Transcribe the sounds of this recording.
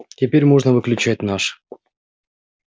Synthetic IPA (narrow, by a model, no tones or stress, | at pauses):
tʲepʲeɾʲmoʐnəvɨklʲʉt͡ɕæt̚ʲnɑʂ